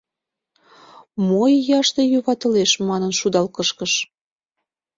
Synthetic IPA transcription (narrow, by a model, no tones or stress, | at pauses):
mojːɑʃt̪ejuβɑt̪əleʃmɑnənʃud̪ɑlkəʃkəʃ